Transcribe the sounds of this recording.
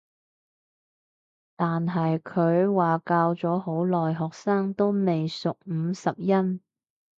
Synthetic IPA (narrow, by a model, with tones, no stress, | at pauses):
t̪aː˨nɦɐ˨jkʰɵ˨˧ɥwaː˨kaː˧wt͡sɔː˨˥ɦo˨˥wlɔː˨jɦɔː˨k̚saː˥ŋt̪o˥wme˨jsʊ˨k̚m̩˨˧˥sɐ˨p̚jɐ˥n